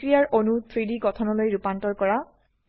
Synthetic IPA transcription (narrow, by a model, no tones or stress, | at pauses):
ɹijaɹʔonut̪ʰɹidiɡɔtʰɔnɔlojɹupantɔɹkɔɹa